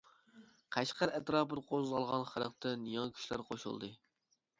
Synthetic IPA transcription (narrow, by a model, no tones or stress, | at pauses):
qʰæʃqæɾɛt̪ɾɑːpɨd̪qʰozʁɑlˠʁɑnχəɾəqt̪ɨnjɑŋkʲʰy̥ʃlæ̰ɾqʰoʃṵlˠd̪ɨ